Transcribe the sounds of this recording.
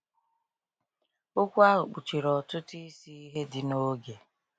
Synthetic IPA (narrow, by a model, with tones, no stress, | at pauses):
ʊ˦kʷa˦ɦʊ˨k͡pu˨t͡ʃi˨ɾɔ˨tʊ˦ti˦si˦i˦ɦe˦dɪ˨no˦ɡe˨